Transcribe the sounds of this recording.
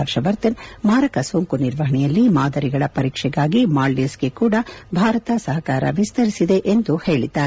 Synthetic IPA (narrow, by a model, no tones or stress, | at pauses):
ɐɾʃɐʋɐɾt̪ɐnmaːɾɐkɐsoːŋkuniɾʋɐɦɐɳɛjɐlːimaːd̪ɐɾiɡɐɭɐpɐɾiːkʂɛɡaːɡimaːɭːisɡekuːɽɐbʱaːɾɐt̪ɐsɐɦɐkaːɾɐ̰ʋist̪ɐɾisid̪e̞ʔend̪uhe̞ːɭid̪aːɾe